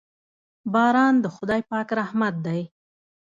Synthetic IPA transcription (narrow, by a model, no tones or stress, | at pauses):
bɑɾɑnd̪əxʊd̪ɑjpɑkɾahmat̪̚d̪aj